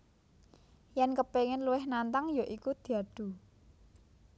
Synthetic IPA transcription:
jɛnkəpeŋɪnluwɪhnant̪aŋjoʔikud̪̥i̤aɖ̪̥ṳ

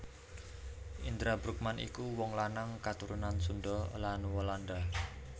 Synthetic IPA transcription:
ʔind̪ɾabɾuk̚manʔḭkuwɔŋlanaŋkat̪uɾunansundɖɔlanwolanda

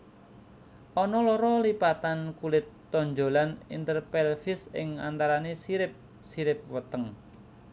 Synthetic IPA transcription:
ʔɔnɔlɔɾɔlipat̪ankulɪt̪ːɔɲd͡ʒolanint̪ərpɛlfɪsɪ̰ŋa̰nt̪aɾanesiɾɪp̚ | siɾɪp̚wət̪əŋ

